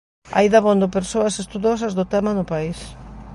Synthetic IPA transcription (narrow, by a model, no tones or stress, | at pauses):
a̰jðaβond̪ʊpeɾsoɐsest̪uðos̬ɐzðʊt̪ɛmanʊpais